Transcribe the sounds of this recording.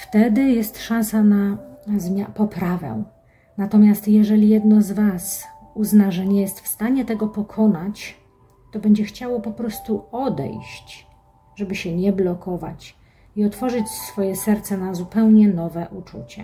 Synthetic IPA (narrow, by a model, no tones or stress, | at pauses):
ft̪ɛd̪ɘjɛst̪ʂãnsanazmʲjapɔpɾavɛ̰ | nat̪ɔmʲjast̪jɛʐɛlʲijɛd̪nɔzvas | uznaʐɛɲɛjɛst̪fst̪aɲɛt̪ɛɡɔpɔkʰɔnat͡ɕ | t̪ɔbɛɲd͡ʑɛxt͡ɕawɔpɔpɾɔst̪uɔd̪ɛ̰jɕt͡ɕ | ʐɛbɘɕɛɲɛblɔkɔva̰t͡ɕ | iɔt̪fɔʐɘt͡ɕsfɔjɛsɛɾt̪sɛnazupɛwɲɛnɔvɛʔut͡ʂṵt͡ɕɛ̰